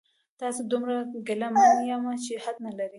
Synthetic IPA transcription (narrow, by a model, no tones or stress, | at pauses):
t̪ɑsod̪ʊmɾaɡalamanjamat͡ʃehad̪̚nalaɾi